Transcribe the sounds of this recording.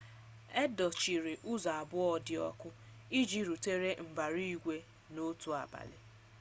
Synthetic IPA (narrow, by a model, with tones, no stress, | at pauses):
ɛ˦dɔ˨t͡ʃi˨ɾi˨ʔu˦za˨a˨bʊ˦ɔ˦dɪ˨ɔ̰˦kʷʊ˦ | i˦d͡ʒi˦ɾu˨te˦ɾe˦m̩˨ba˨ɾi˦i˦ɡʷe˦ | no˦tu˨a̰˨ba̰˨lɪ̰˨